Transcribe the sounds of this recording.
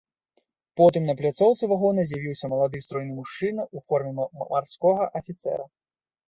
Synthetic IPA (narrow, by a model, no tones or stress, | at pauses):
pɔt̪ɨmnɐplʲat̪sɔwt̪sɨvaɣɔnɐzʲjavʲiwsʲɐmɐlˠad̪ɨst̪ɾɔjnɨmuʂt͡ʂɨnɐʔufɔrmʲɛmarskɔɣɐʔɐfʲit̪sɛ̰ɾɐ